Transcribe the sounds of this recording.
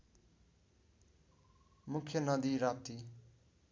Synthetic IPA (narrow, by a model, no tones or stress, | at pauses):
mukʰjʌnʌd̪iɾap̚t̪i